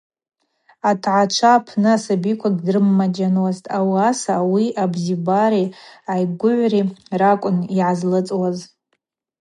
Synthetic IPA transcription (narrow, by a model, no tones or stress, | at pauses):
atʰʕat͡ʃʷʰapʰnɨasabikʷʰaɡʲdrɨmːad͡ʒanwaztʼawasawiʔabzibaɾiajɡʷʊʕʷrirakʷʼʊniʕazlɨt͡sʼwaz